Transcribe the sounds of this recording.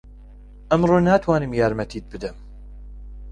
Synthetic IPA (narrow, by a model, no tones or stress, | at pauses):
ʔɐmɾoːnaːt̪ʰwaːnɨmjaːɾmɐt̪ʰiːt̪̚bɨd̪ɐm